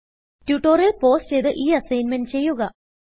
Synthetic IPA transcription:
tuʈːoːrjelpo̞ːst͡ɕejt̪ɨʔiːɐsɐjnment͡ɕe̞jːuɣɐ

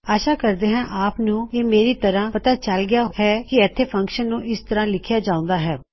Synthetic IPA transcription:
aːʃaːkəɾd̪eːɦãːʔaːpnũːeːmeːɾiːt̪əɾãːpət̪aːt͡ʃəlɡɪjaːhɛːkɪɛt̪ʰːeːpʰə̃ŋkʃənːũːʔɪst̪əɾãːlɪkʰjaːd͡ʒãːʊ̃ːnd̪aːɦɛː

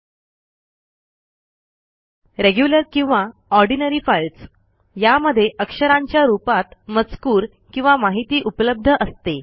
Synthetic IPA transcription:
ɾeɡjuləɾkĩw̃ʋaɔɾɖinəɾiːfajlt͡s | jaməd̪ʱːjeʔəkʂəɾãɲt͡ɕjaɾupat̪mət͡skuːɾ | kĩw̃ʋamaɦit̪iːʔupələb̚d̪ʱəʔəst̪e

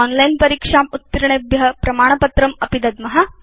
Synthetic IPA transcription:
ɔːnlɐjnpɐɾiːkʂaːmut̪ːiɾɐɳebjɐɐpɾɐmaːɳɐpɐt̪ɾɐmɐpid̪ɐd̪mɐɦɐ

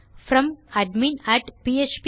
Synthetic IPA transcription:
fɾʌ̃mæɖmĩnæʈpiːet͡ʃp

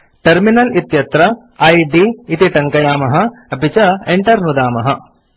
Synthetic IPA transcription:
ʈɐɾminɐlit̪jɐt̪ɾɐ | ɐjɖiːt̪iʈ̪ɐŋkɐjaːmɐɦɐ̆ɐpit͡ʃɐeɳʈɐɾnud̪aːmɐɦɐ̰

